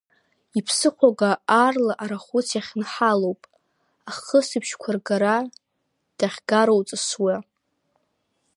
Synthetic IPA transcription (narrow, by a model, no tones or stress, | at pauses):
ipʰsɨχʷaɡaːrlaʔaɾaχʷut͡sʰjaχʲnħalowpʼ | aχəsɨpʰʃkʷʰarɡaɾa | d̥aχʲɡaɾowt͡sʼɨswa